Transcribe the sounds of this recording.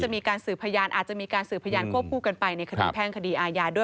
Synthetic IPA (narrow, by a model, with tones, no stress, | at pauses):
t͡ɕa˨ʔmiː˧kaː˧nsɯː˨˩pʰa˧jaː˧nʔa̰ː˨˩t̪̚t͡ɕa˨˩ʔmiː˧kaː˧nsɯː˨˩pʰːa˧jaː˧nkʰu˥˩əp̚kʰuː˥˩ka˧npa˧jna˧jkʰa˧diː˧˩pʰɛː˥˩ŋkʰa˧diː˧ʔaː˧jaː˧duː˥˩